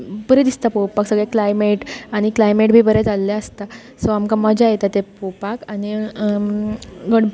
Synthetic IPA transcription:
pəɾed̪ist̪apopaksəɡɭeklajmeʈaɽ̃iklajmeʈ̚bʱiːbəɾet͡salːaəst̪a | sɔamkaməd͡ʑʱajet̪at̪epopakañi | ɡəɽ

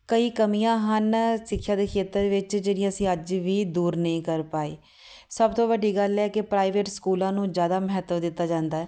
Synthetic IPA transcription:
kəiːkəmijãːɦənsɪkʰːjaːd̪eːkʰeːt̪əɾd̪eːʋɪt͡ʃd͡ʒenĩəsĩːəd͡ʒʋiːd̪uːɾnəĩːkəɾpaːḛː | səbt̪õːʋəɖːiːɡəlɛːkɪpɾaːiʋeːʈskuːlãːnũːd͡ʒjaːd̪aːməɦət̪ʋəd̪ɪt̪ːaːd͡ʒãːnd̪aːɛː

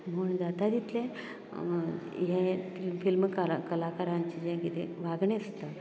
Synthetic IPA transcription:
m̤əuːɳd̪at̪ad̪it̪lẽ | ɦẽfilfilmkakəlakaɾãɲt͡ɕid͡ʑɛ̃kit̪ḛʋaɡɳẽəst̪a

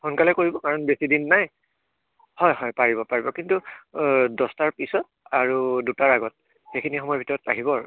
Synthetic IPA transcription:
xunkalɛkoɹibɔkaɹɔnbesidinːaj | hɔjɦɔjpaɹibɔpaɹibɔkintu | dɔstaɹpisɔt̚aɹudutaɹaɡɔt̚ | xejkʰinixɔmɔjɔbʱitɔɹɔta̰ɦibɔ

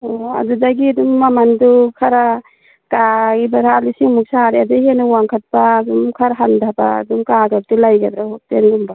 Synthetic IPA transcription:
ɔa̰dudaɡidumːamandukʰaɾa | kaibaɾalisiŋmuk̚saɾiadeɦenawaŋkʰat̚padumkʰaɾɦandʱaba̰dumkaɡak̚tilajɡad̪ɾahɔk̚tenɡumba

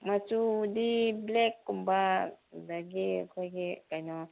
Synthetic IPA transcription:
mat͡ʃud̪iblɛkːumbadaɡia̰kʰɔɡikajnɔ

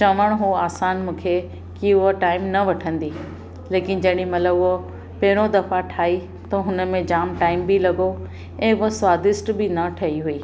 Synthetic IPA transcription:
t͡ɕɐʋəɽ̃ɦoaːsaːnmũːkʰe | kiʊɦoʈaːɪmnɐʋɐʈʰə̃nd̪i | leːkɪn̆d͡ʑɐɦɪɽ̃imɐt̪ləbʊɦo | pɐɦɪɾod̪ɐfaʈʰaːi | t̪ɐɦʊnə̆mẽd͡ʑaːmʈaːɪmbilɐɡo | ɛ̃ːʊɦosʋaːd̪ɪsʈbɪnɐʈʰɐɦiɦuiː

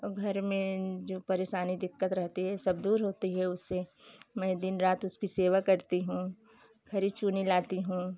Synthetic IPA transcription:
ɡʱɐɾmẽd͡ʒoːpɐɾeːʃaːnid̪ɪkːət̪ɾɐɦt̪iɦɛsɐbd̪uːɾɦoːt̪iɦɛʊsːemɛ̃d̪ɪnɾaːt̪ʊskiseːʋakɐɾt̪iɦũː | kʰɐɾit͡ʃuːnilaːt̪iɦũː

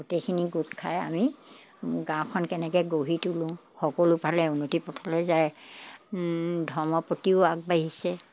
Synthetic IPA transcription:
ɡutekʰiniɡutkʰaja̰mi | ɡãw̃kʰɔnkɛnɛkɛɡoɦitulʊ̃xɔkolʊpʰalɛunotipɔtʰalɛzaj | dʱɔɹmɔpotiʊaɡ̚baɦisɛ

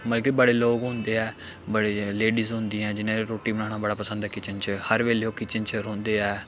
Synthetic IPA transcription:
məlkibəɽeːloːɡɦʊ̃nd̪eːɛː | bəɽeːleːɖiːzɦʊ̃nd̪iːɛ̃ːd͡ʒɪnẽːɾoːʈːiːbəɽãːɽaːbəɽaːpəsə̃nd̪ɛːkɪt͡ʃənt͡ʃhəɾʋeːleoːkɪt͡ʃənt͡ʃɾõːnd̪eːɛː

